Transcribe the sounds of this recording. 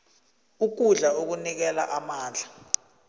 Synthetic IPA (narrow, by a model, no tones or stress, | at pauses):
uk̬uɮaok̬unik̬ɛla̰ʔamaːnd͡ɮʱa